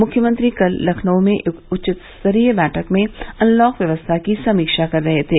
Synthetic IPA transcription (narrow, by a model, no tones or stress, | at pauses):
mʊkʰjəmə̃nt̪ɾikɐlːɐkʰnəõmẽʊt͡ʃɪt̪səɾiːbɛːʈʰəkmẽɐ̃nlɔːkʋjɐʋəst̪ʰakisɐmiːkʃakɐɾːɐɦet̪ʰeː